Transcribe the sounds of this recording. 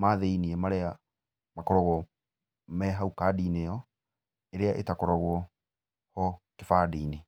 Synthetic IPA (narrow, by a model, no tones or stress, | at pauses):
maːðeiniemaɾɛa | makɔɾɔɣwɔ | mɛɦaukaːdiːnejɔ | eɾeaʔetakɔɾɔɣwɔ | hɔkefaːdiːne